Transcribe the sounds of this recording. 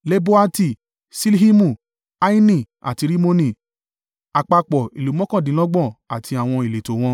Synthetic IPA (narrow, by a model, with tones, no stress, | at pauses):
le˦bo˦a˦ti˦˨ | si˦li˦hi˦mũ˦˨ | a˦i˦nĩ˦˨ | a̰˨ti˧ɾi˦mo˦nĩ˦˨ | a˨k͡pa˧k͡pɔ˨i˨lu˨˦mɔ̃˦kã˦˨dĩ˨˦lɔ˦ɡ͡bɔ̃˦˨a˨tʰi˧a˨w̃ɔ̃˧i˨le˨to˨w̃ɔ̃˧